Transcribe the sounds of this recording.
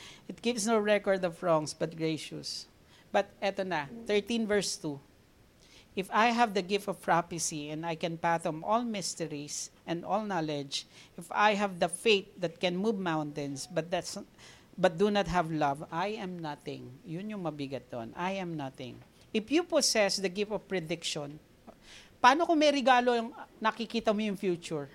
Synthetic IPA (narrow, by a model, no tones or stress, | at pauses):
ɪt̪̚ɡ̥ɪvsnoɹɛkɔɹd̪ɔvɹɔ̃ŋsbɐt̪̚ɡɹejʃʊ̰s | b̥ɐt̪̚ʔɛt̪onaθɛɹt̪ĩnvɛɹst̪u | ʔɪfajɦævd̪ɐɡɪft̪ɔv̥pɹafɪsiɛ̃nd̪ajkɛ̃npat̪ɔmʔɔlmɪst̪ɛɹisʔɛ̃nd̪ɔlnalɛd͡ʒʔɪfa̰jɦævd̪ɐfejt̪̚d̪ɐt̪̚kɛ̃nmuvmãwnt̪ɛ̃nsbɐt̪̚d̪at̪s | bɐt̪̚d̪unɐt̪̚ɦɐvlavajʔɛmnat̪ɪ̰̃ŋjʊnjʊŋmɐbɪɡɐt̪̚d̪o̰nʔajɛ̃mnat̪ɪ̰̃ŋ | ʔɪfjuposɛsd̪ɐɡɪft̪ɔvpɹɛd̪ɪkʃɔn | pɐaːnokomɛjɾɛɡaːloŋnɐkɪkiːt̪ɐmojʊŋfjut͡ʃʊɹ